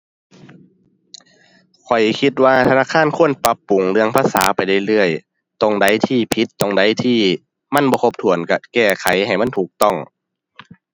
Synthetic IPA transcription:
kʰɔ˨˩jkʰi˧t̪̚waː˧t̪ʰa˧naː˧˥˨kʰaː˧˥˨nkʰu˧˥˨ənpa˧pːu˨˩ŋlɯ˧əŋpʰaː˧˥˨sa̰ː˩˦pa˨jda˧˩jlɯ˧˩əj | t̪o˧˩ŋda˧˥˨jt̪ʰiː˧˩pʰi˧˦t̪ːo˧˩ŋda˧˥˨jt̪ʰiː˧˩ | ma˧˥˨nbɔː˧kʰo˧˥p̚t̪ʰu˨˩ənka˧˩kɛː˧˩kʰa˨˩˦jɦa˨˩jma˧˥˨nt̪ʰuː˨˩k̚t̪ɔ˧˩ŋ

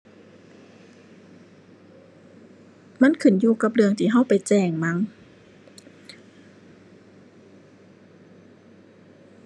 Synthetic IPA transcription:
ma˧˥˨nkʰɯ˧˩njuː˧ka˧˥p̬̚lɯ˧əŋt̪ʰiː˧˩ɦa˧˥˨wpa˨˩jt͡ɕɛː˧˩ŋma˧˥ŋ

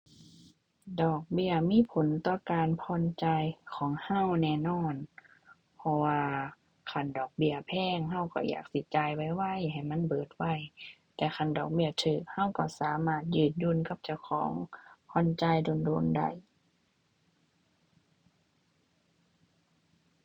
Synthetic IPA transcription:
dɔː˨˩k̚bi˧˨ɐmiː˧˥˨pʰo˨˦nt̪ɔː˧˩kaː˨npʰɔː˧˥˨nt͡ɕa˧jkʰɔː˨˦ŋha˧˩˨wnɛː˧˩nɔː˧˥˩n | pʰɔ˧waː˧ | kʰa˧˩˨ndɔː˨˩k̚bi˧˩˨ɐpʰɛː˧˥˨ŋɦa˧˩˨wkɔ̰˧˩ja̰ː˨˩k̚si˧˦t͡ɕaː˧jwa˧˩jwa˧˩˨jɦa˨˩jma˧˥˨nbɤː˨˩t̪̚wa˧˩j | t̪ɛː˧xa˧˩˨ndɔ̰ː˨˩k̚bi˧ɐt̪ʰɯː˧˨˩k̚ha˧˥˨wkɔ˧˩saː˨˦maː˧˩t̪̚jɯː˧˩t̪̚juː˧˥˨nka˧˥˦p̚t͡ɕa˧˩wkʰɔ̰ː˨˦ŋpʰɔː˧˨nt͡ɕa˧˨jdo˧˨ndoː˧˥˨nda̰˧˩j

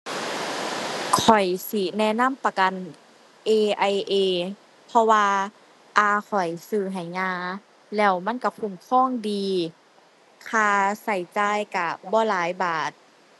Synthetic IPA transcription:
kʰɔ˨˩jsi˧˦nɛ˧˥˨na˧˥˨mpa˧ka˧˨n | ʔeː˧ʔa˧jʔeː˧ | pʰɔ˧waː˧ | ʔaː˧˩kʰɔ˨˩jsɯː˧˩ɦa˨˩jŋaː˧ | lɛː˧˩wma˧˥˨nka˧˩kʰu˧˩˨mkʰɔː˧˥˨ŋdiː˨˧ | kʰaː˧sa˧˩jt͡ɕaː˧˩˨jka˧˩bɔː˧˨laː˨˦jbaː˨˩t̪̚

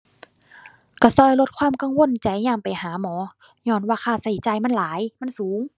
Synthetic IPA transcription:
ka˧˩sɔː˧˩˨jlo˧t̪̚kʰwaː˧˥˨mka˧˨ŋwo˧˥˨nt͡ɕa˨˩jɲaː˧˩˨mpa˨jhaː˨˦mɔː˨˦ | ɲɔː˧˨nwaː˧˨kʰaː˧˩sa˧˩jt͡ɕa˨˩jma˧˥˨nlaː˨˦jma˧˥˨nsuː˨˦ŋ

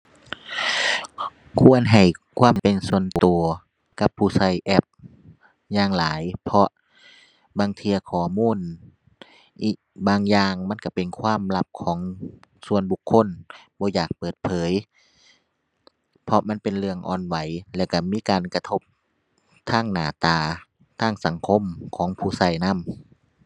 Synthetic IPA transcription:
kʰu˧˥˨ənɦa˨˩jkʰwaː˧˥˨mpe˨nsu˧˩ənt̪u˨˩ɐ | ka˧pʰːuː˧˩sa˧˩jʔɛ˧p̚ | jaː˧˩ŋlaː˨˦jpʰɔ˧ʔ | baː˧ŋt̪ʰiː˧ɐkʰɔː˨˩muː˧˥˨n | ʔiː˨˩k̚baː˧ŋjaː˧ŋma˧˥˨nka˧˩pe˨nkʰwaː˧˥˨mla˧˥p̚kʰɔː˨˦ŋsu˧˩ənbu˧kʰːo˧˥˨nbɔː˧˦jaː˨˩k̚pɤː˨˩t̪̚pʰɤː˨˦j | pʰɔ˧ma˧˥˨npe˨nlɯ˧əŋʔɔ̰ː˨˧˩nwa˨˦jlɛ˧˩˨ka˧˩miː˧˥˨kaː˨nka˧t̪ʰo˧p̚ | t̪ʰaː˧˥˩ŋnaː˧˩t̪aː˧˩ | t̪ʰaː˧˩ŋsa˨˦ŋkʰo˧˥˨mkʰɔː˨˦ŋpʰuː˧˩sa˧˩jna˧˥˨m

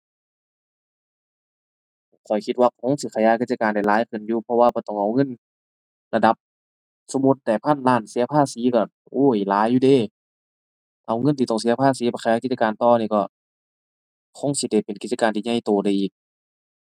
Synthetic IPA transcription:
kʰɔ˨˩jkʰi˧t̪̚waː˧kkʰo˧˥˨ŋsi˧˩kʰa˧˩jaː˧˥˨ki˧t̪̚t͡ɕa˧kaː˨nda˨˩jlaː˨˦jkʰɯ˧˩˨njuː˧pʰɔ˧waː˧bɔː˧˩t̪ɔ˧˩ŋʔa˨˩wŋɤ˧˥˨n | la˧da˧˦p̚ | so˧˦mu˧t̪̚da˧˩pʰa˧˥˨nlaː˧˩˨nsi˨˦ɐ˧pʰaː˧˥˨siː˨˦ka˧˩ | ʔoː˧˥˩jlaː˨˦jːuː˧deː˧˩˨ | ʔa˨˩wŋɤ˧˥˨nʰiː˧t̪ɔ˧˩ŋsi˨˦ɐ˧pʰaː˧˥˨siː˨˦bɔ˧˩xa˧jaː˧˥ki˧t̚t͡ɕa˧kaː˨nt̪ɔː˧niː˧˩kɔ˧˩ | kʰo˧˥˨ŋsi˧da˧˩pe˨nki˧t͡ɕa˧kaː˨nt̪ʰiː˧˨ɲa˧˥˨jt̪oː˨˩da˧˩jʔiː˨˩k̚

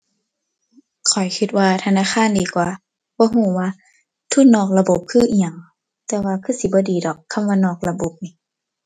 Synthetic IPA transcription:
kʰɔ˨˩jkʰi˧˦t̪̚waː˧t̪ʰa˧naː˧˥˨kʰaː˧˥˨ndiː˨˦kwaː˨˩ | b̥ɔː˧˦huː˧˩waː˧˨ | t̪ʰu˧˨nɔː˧˩k̚la˧bo˧˦p̚kʰɯː˧˨ʔi˧ɲa˨˧˩ŋ | t̪ɛː˧waː˧kʰɯː˧˩si˨˧˦bɔː˧˦diː˨˦dɔː˨˩kʰːa˧˥˨mwaː˧˨nɔː˧˩k̚la˧bo˧˦p̚ni˧˦

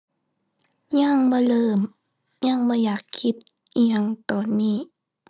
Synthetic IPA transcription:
ɲa˧˩ŋbɔː˧˦lɤː˧˩m | ja˧˥˩ŋbɔː˧˦jaː˨˩kʰːi˧˥t̪̚ | a˧ŋt̪ɔː˨˩nːiː˧˩

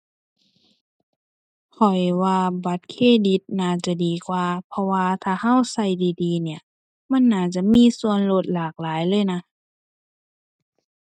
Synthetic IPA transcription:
kʰɔ˨˩jwaː˧ba˧˦t̪̚kʰeː˧˥˨di˧˦t̪̚naː˧˩t͡ɕa˧˩diː˨˩kwaː˧pʰɔ˧waː˧t̪ʰaː˧˩ha˧˥˨wsa˧˩jdiː˨diː˨˧˦ni˧˩ə | ma˧˥˨nːaː˧˩t͡ɕa˧˦miː˧˥˨su˧ənlo˧˩t̪̚laː˨˩k̚laː˨˦jlɤː˧˥˨jna˧˥

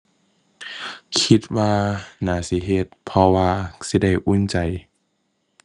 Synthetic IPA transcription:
kʰi˧t̪̚waː˧naː˨˦si˧˦ɦe˧˩t̪̚pʰɔ˧waː˧si˧˦da˥˩jʔu˧˥˨nt͡ɕa˨˩j

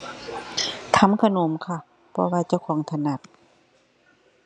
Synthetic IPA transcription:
t̪ʰa˧˦mkʰa˧no˧˨˦mkʰa˧˩ | pʰɔː˧waː˧t͡ɕa˧˨wkʰɔː˨˦ŋt̪ʰa˧na˧˩t̪̚

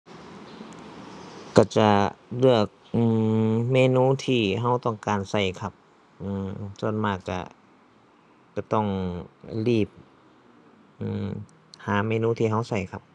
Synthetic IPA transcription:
ka˧˩t͡ɕa˧lɯ˧˩ək̚ʔɯː˧meː˧˨nuː˧˥˨t̪ʰiː˧˩ɦa˧˥wt̪ɔ˧˩ŋkaː˨nsa˧˩jkʰa˧p̚ | ʔɯː˧˩so˧˩˨nmaː˧˩k̚t͡ɕa̰˧˩ | t͡ɕa˧˩t̪ɔ˧˩ŋliː˧˩p̚ | ʔɯː˧˩ | haː˨˦meː˧nuː˧˥t̪ʰiː˧ɦa˧˥˩wsa˧˩jkʰa˧p̚

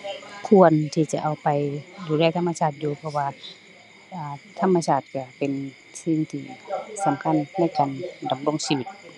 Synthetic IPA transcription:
kʰu˧ənt̪ʰiː˧t͡ɕa˧ʔa˨˩wpa˨jduː˨˧lɛː˧˩˨t̪ʰa˧˥˨mːa˧sʰaː˧˩t̪̚juː˧pʰɔ˧waː˧ | ʔaː˨˧t̪ʰa˧˥˨mːa˧sʰaː˧˩t̪̚ka˧˩pe˨n | si˧˩˨ŋt̪ʰiː˧˩sa˨˦mkʰa˧˥˨nːlɛ˧˥˨jkaː˨nda˨˦mlo˧˥˨ŋsi˧wi˧˩t̪̚

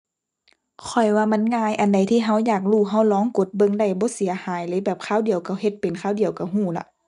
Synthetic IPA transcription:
kʰɔ˨˩jwaː˧ma˧˥˨nŋaː˧jʔa˨nda˨˩jt̪ʰiː˧˨ɦa˧˩wjaː˨˩k̚luː˧˩ɦa˧˥˩wlɔː˧˥˦ŋko˧˦t̪̚bɤ˧˨ŋda˧˩jbɔː˧˦si˨˦ɐhaː˨˦jlɤː˧˦bɛː˨˩p̚kʰaː˧˥˨wdi˨˩əwka˧˩whe˧˦t̪̚pe˨nkʰaː˧˩˨wdi˨əwka˧˩ɦuː˧˩la̰˧ʔ

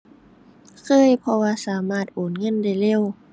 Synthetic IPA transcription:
kʰɤː˧˥˨jpʰɔ˧waː˧saː˨˩˦maː˧˩t̪̚ʔoː˨˩nŋɤ˧˥˨nda˧˩jle˧˥˩w

